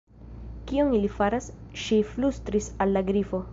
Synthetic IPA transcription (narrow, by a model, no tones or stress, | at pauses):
kionilifaɾasʃiflustɾisalːaɡɾifo̞